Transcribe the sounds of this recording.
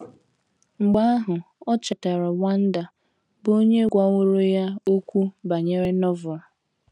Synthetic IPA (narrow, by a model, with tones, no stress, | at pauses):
ŋ͡m̩˨ɡ͡ba˦a˦ɦʊ˨ | ɔ˦t͡ʃa˨ta˨ɾa˨wa˦n̩˦da˨ | bo˦ɲe˦ɡʷɔ˦ŋʷʊ˦ɾo˦ja˦o˦kʷu˦ba˨ɲe˦ɾe˦nɔ˦vʊ˨a˨